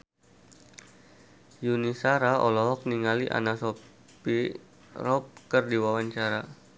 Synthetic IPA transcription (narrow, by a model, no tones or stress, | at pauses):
junisaɾaɔ̰lɔɦɔk̚niŋaliʔa̰naso | pi | rɔp̚kərdiwawaɲt͡ʃaɾa